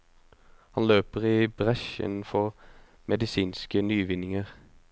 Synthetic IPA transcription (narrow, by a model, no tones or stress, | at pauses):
hɑnløːpəʁiːbʁɛʃɪ̰nn̩fɔʁ | mɛd̪ɪsiːnskənyːʋɪnɪŋəʁ